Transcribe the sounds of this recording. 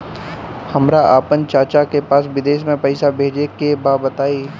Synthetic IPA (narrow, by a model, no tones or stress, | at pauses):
hɐmɾaʔaːpənt͡ʃaːt͡ʃakepaːsʋɪd̪eːʃmẽpɐɪsabʱeːd͡ʒekebaːbət̪aːiː